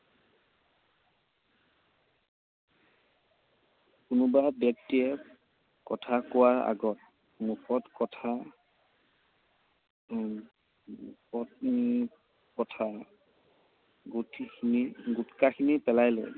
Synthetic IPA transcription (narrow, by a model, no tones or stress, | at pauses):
kʊnʊbabɛk̚tːiɛ | kɔtʰakʊwaɹa̰ɡɔt̚ | mukʰɔtkɔtʰa | ɔt | kɔtʰa | ɡtniɡutkakʰinipɛlajlɛ̰